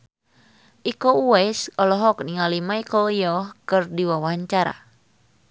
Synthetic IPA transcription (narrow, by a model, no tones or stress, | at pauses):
ʔikouɛsɔlɔɦɔk̚niŋalimaikɔijɔhkɨrdiwawaaɲt͡ʃaɾa̰